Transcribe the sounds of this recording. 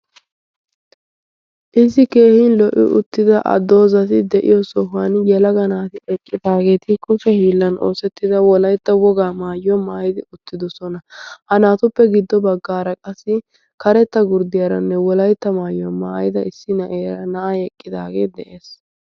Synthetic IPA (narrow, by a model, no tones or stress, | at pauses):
ʔɪsːɪke̞ːhɪnlɔʔɪ̰ʔʊ̰t̪ːɪd̪ɐʔɐ̰d̪o̞ːzɐt̪ɪd̪ɛʔɪ̰jɔsɔɦʊanjɛlɐɡɐnaːt̪ɪɛkʼːɪd̪aːɡe̞ːt̪ɪkʼʊfɛhiːlːɐnʔo̞̰ːsɛt̪ːɪd̪ɐwɔlɐjt̪ːɐwɔɡaːmaːjwɔmaːjɪd̪ɪʊt̪ːɪd̪ɔsɔnɐhɐnaːt̪ʊpːɛɡɪd̪ːɔbɐɡːaːɾɐkʼɐsːɪ | kɐɾɛt̪ːɐɡʊɾd̪ɪjɐɾɐnːɛwɔlɐjt̪ːɐmaːjɪwɐmaːjɪd̪ɐɪsːɪnɐʔeːɾɐnɐʔaɛkʼːɪd̪aːɡeːd̪ɛʔeːs